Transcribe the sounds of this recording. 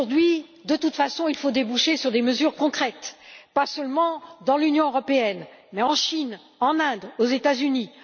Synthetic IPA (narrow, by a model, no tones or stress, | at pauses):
uʁd̪ɥid̪ət̪ut̪fasɔ̃ilfod̪ebuʃesyʁd̪eməzyʁkɔ̃kχɛt̪pasœlmɑ̃d̪ɑ̃lynjɔ̃øʁɔpeɛn | mɛɑ̃ʃin | ɑ̃nɛ̃d̪ozet̪azyni